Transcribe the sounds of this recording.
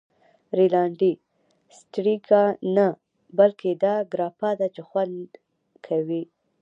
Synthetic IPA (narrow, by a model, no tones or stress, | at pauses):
ɾilɑɳɖi | sʈɾikana | balkʰed̪ɑɡɾɑpad̪at͡ʃexwand̪d̪ | kʰawi